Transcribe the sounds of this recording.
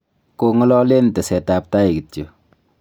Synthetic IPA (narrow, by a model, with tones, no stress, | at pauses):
ko˨ŋɔ˦lɔ˦le˦ntɛ˨sɛ˨ta˨p̚ta˦i˨ki˨to˨